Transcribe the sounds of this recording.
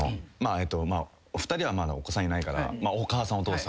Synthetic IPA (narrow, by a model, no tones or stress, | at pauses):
maet̪ːo̞ma | ɸɯ̟̥t̪aɾʲiβamad̪a̰okosãɲinaikaɾa̰maokaːsãot̪oːsa